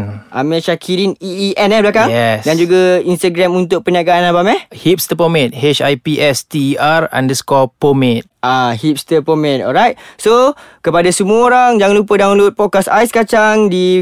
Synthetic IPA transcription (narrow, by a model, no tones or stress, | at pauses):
ʔa̰mɛ̃ʃakʰiɾiniiʔɛnɛblakaŋɛsdand͡ʒuɡainst̪aɡɾamunt̪ʊk̚pənaɡaːnabamɛhhip̚st̪əpomɛ̃t̪̚het͡ʃajpiʔɛst̪iʔaɾã̰ndəskɔpomɛ̃t̪̚ʔahip̚st̪əpomɛ̃t̪ɔ̰lɾajt̪̚sokəpadasəmuaoɾaŋd͡ʒaŋanlupədaŋaluʊt̪̚pɔt̚kasa̰jskat͡ʃaŋdi